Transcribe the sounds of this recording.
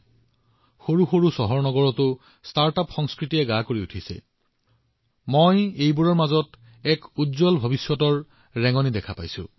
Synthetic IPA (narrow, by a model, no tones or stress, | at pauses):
xoɹuxoɹusɔɦɔɹnɔɡɔɹɔtʊ | staɹtapxɔŋskɹitijɛɡakoɹiutʰisɛ̰ | mojejbuɹɔɹmazɔt | ɛkudzɔlbʱobisjɔtɔɹ | ɹɛŋɔnidɛkʰapa̰jsʊ̰̃